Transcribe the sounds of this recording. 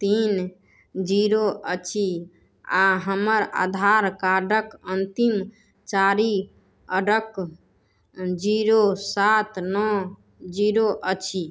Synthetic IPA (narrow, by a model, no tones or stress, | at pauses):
t̪in | d͡ʒiɾoʔət͡ʃʰi | aɦəməɾa̰d̪ʱaɾkaɖəkənt̪im | t͡ʃaɾi | əɖək | d͡ʒiɾosat̪nɔ | d͡ʒiɾoʔət͡ʃʰi